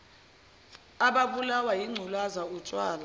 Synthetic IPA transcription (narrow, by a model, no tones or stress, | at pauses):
aɓaɓulawajiŋ͡ǀʱulazaut͡ʃʼwaːla